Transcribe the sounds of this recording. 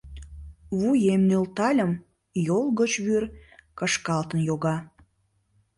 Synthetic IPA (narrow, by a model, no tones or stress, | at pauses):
βujemnølt̪ɑlʲəm | jolˠɣət͡ɕβyrkəʃkɑlt̪ənjoɣɑ